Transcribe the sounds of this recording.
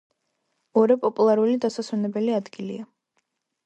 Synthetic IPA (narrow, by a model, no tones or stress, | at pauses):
ɔɾɛpʼɔpʼulˠaɾulid̪asaswɛnɛbɛliad̪ɡilia